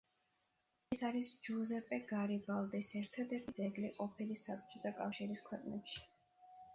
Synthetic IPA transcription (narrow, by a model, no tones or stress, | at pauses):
ɛsaɾisd͡ʒuzɛpʼɛɡ̥aɾibalˠd̪isɛɾt̪ʰad̪ɛɾt̪ʰid̪zɛɡliqʼɔpʰilisapt͡ʃʼɔt̪ʰakʼa̰fʃiɾiskʰwɛqʼnɛpʃi̥